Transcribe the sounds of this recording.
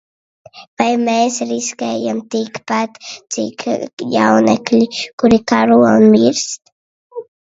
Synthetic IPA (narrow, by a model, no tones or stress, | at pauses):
pajmasɾiskajamt̪ikpat̪t͡sḭkʰja̰wna̰klikuɾikaɾua̰nmiɾst̪